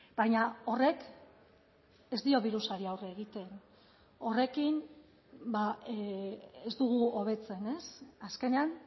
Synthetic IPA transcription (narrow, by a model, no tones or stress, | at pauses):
bajɲao̞re̞k | e̞zd̪io̞βiɾusaɾiawreːɣ̞it̪e̞n | o̞re̞kin | ba | ezd̪uɣ̞uoβ̞e̞t͡se̞ne̞saske̞nean